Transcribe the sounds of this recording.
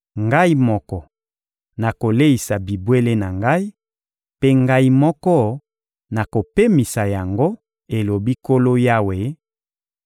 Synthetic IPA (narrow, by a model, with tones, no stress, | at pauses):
ŋɡa˦i˦mɔ˦kɔ˨ | na˨ko˨le˦i˨sa˨bi˨bwe˦le˦na˨ŋɡa˦i˦ | pe˦ŋɡa˦i˦mɔ˦kɔ˦ | na˨ko˨pe˦mi˨sa˨ja˨ŋɡo˦ | e˨lo˨bi˦ko˦lo˦ja˦we˨˦